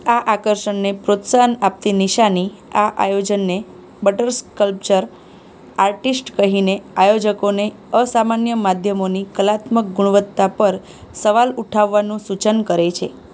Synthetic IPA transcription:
aʔakəɾʃəɳnepɾot̪sanap̚t̪iniʃani | aʔa̰jod͡ʒənːe | bəʈəɾskəlp̚t͡ʃəɾ | aɾʈisʈkəɦineajod͡ʒəkone | əsamanjəmad̪ʱjəmonikəlat̪mək̚ɡuɽ̃ʋət̪ːapəɾ | səʋaluʈʰaʋːanũsut͡ʃənkəɾet͡ʃʰe

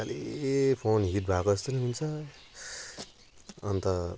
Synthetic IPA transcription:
alʔepʰonɦiʈbʱakoʌst̪uniɦunt͡sʰʌ | nt̪ʌ

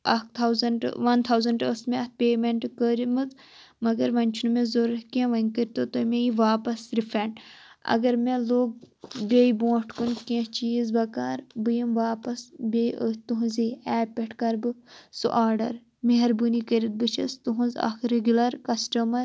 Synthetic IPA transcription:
ɐk̚t̪ʰawzɐɳɖ̰ʋɐnt̪ʰawzɐɳʈəsmẽɐt̪̚pʲeːmeɳʈkəɾimɨz | mɐɡɐɾʋɐnʲt͡ʃʰunmẽzoɾɐkẽʋɐnkəɾʲt̪ot̪omeiʋaːpɐsɾipʰɐɳɖɐ̰ɡɐɾmẽloːɡ̚ | bʲeibõːʈkunkẽt͡ʃiːzbɐkaːɾbɨjimʋaːpɐsbʲeət̪uɦunziɛːpʲeʈʰkɐɾbɨsṵʔaːɖɐ̰ɾ | meɦɐɾbunikəɾit̪̚bɨt͡ʃʰɐst̪uɦũnza̰kʰɾeɡʲulɐɾkɐsʈɐmɐɾ

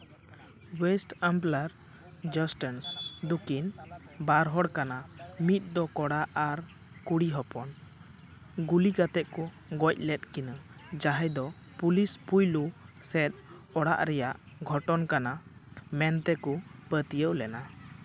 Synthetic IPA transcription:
wɛsʈamplaɾ | d͡ʒɔsʈənsd̪ukin | baɾɦɔɽkanamit̪̚ˀd̪ɔkɔɽaʔaɾ | kuɽiɦɔpɔn | ɡulikat̪ɛʔku | ɡɔc̚ˀlɛt̪̚kinəd͡ʒaɦɛjd̪ɔ | pulispujlusɛt̪̚ɔɽa̰ʔɾɛjaʔ | ɡʱɔʈɔnkanamɛnt̪ɛkupət̪ijəʔlɛna

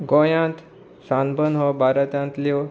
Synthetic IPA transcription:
ɡõjãnt̪ | sãnbənɦɔbʱaɾət̪jãnt̪lio

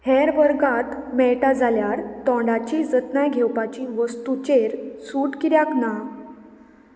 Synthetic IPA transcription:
hɛɾʋəɾɡat̪mɛʈad͡zaljaɾt̪ɔ̃ɳɖat͡ɕid͡zət̪najɡʱɛwpat͡ɕiʋəst̪ut͡ɕeɾsuʈkiɾjakna

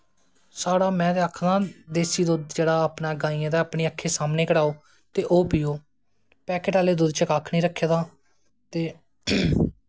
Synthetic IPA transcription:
saːɽaːmɛ̃ːd̪eːakʰnãːd̪eːsiːd̪ʊd̪d͡ʒeːɽaːəpnãːɡaːiːãːd̪aːaːpɳeːəkʰːeːsaːmneːkəɽaːoː | t̪eːʔoːpɪːoː | pɛːkeʈaːleːd̪ʊd̪t͡ʃəkaːkʰnĩːɾəkʰːeːd̪aː | t̪eː

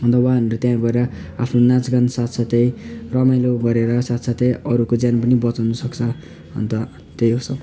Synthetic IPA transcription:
ɦʌnd̪awaɦʌnɾʌt̪jãɡʌɾeɾʌ | apʰnonãt͡sɡʌnsat̪sat̪ʌjrʌmajloɡʌɾeɾʌsat̪sat̪ʌjʌɾukod͡zjanp̬ʌnibʌt͡sawnʌsʌkt͡sʰʌ | ɦʌ̰nt̪ʌ | t̪ejɦosʌ

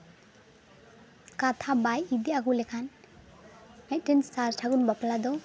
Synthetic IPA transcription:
kat̪ʰabajid̪iaɡulɛkʰan | mɛt̚ʈenssaɾʈʰaɡunbaplad̪ɔ

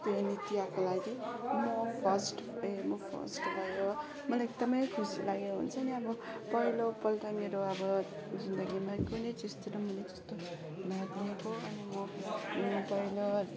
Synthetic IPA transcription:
t̪onit̪ijakolaɡimʌpʰʌsʈemʌpʰʌ̰sʈlaɡo | mʌlaek̚d̪ʌmʌjkʰusilaɡekoɦṵnt͡sʰʌniʌbʌpʌɦilopʌlʈameɾoʌbʌ | d͡zind̪ʌɡimakunet͡sist̪iɾʌmʌled͡zʌ̥st̪o | bʱat̪liekoʌnimʌmʌpʌilo

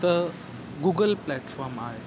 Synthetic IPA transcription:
t̪ə | ɡuɡəlplæʈfɔɾmaɦe

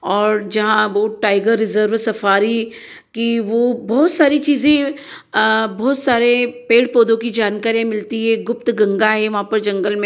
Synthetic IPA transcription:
ɔːɾd͡ʒɐɦãʋoːʈaːɪɡəɾːɪzəɾʋsɐfaːɾi | kiʋobɔːt̪saːɾit͡ʃiːzẽ | bɔːt̪saːɾepeːɽpoːd̪õkid͡ʒaːnkaːɾijãmɪlt̪iɦɛɡʊp̚t̪ɡɐ̃ŋɡaɦɛʋɐɦãpɐɾd͡ʒɐ̃ŋɡəlmẽ

